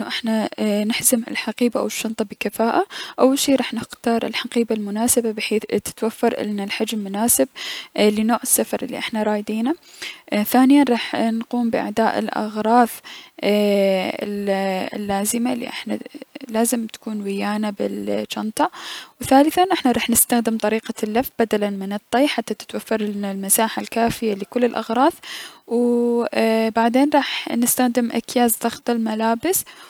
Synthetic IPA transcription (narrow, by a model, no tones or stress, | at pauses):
ʔnːʊʔɪħnanɪħzɪmɪ̰lħaqiːbaʔa̰wɪʃːɑnt̪ˤɑbɪkafaːʔaʔawːalʃiːɾˤɑːħnɪxt̪ɑːɾˤɪ̰lħaqiːbalmʊnaːsɪbabɪħeːt̪ːɪ̥t̪wafːɑɾˤʔɪ̰nːalħad͡ʒmːʊnaːsɪb̚lːɪnoːʕɪsːafɑɾˤʔɪlːḭʔɪħnaɾˤɑːjd̪iːna | θaːnɪjanɾˤɑːħnquːmbɪʔa̰ʕd̪aːʔɪ̰lʔɑ̰ɣɾˤɑːθ | ɪ̰l̰lːaːzɪmalːḭʔɪħna̰laːzɪmt̪ḁkuːnwɪjaːnabɪ̰lt͡ʃɑnt̪ˤɑwθaːlɪθanʔɪħnaɾˤɑːħnɪst̪axd̪ɪmt̪ˤɑɾiːqalːafbad̪alanmɪnɨt̪ˤːijħat̪ːat̪ɪ̥t̪wafːɑɾˤlmasaːħalkaːfɪjalɪkʊlːɪlʔɑ̰ɣɾˤɑːθw | baʕd̪eːnɾˤɑːħnɪst̪axd̪ɪmʔa̰kjaːzd̪ɑxt̪ˤɪlmalaːbɪs